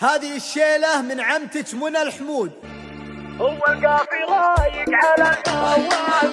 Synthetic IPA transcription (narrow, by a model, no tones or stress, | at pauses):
haːðɪɪʃːeːlamɪnʕamt̪ɪt͡ʃmʊnalħmuːd̪̚ | hʊwːalkaːfiɣajɪkʕalawːa